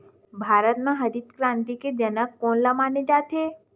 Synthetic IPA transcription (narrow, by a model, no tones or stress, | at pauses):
bʱaɾət̪nãɦəd̪it̪kɾãnt̪iked͡ʒənəkːonlamaned͡ʒat̪ʰe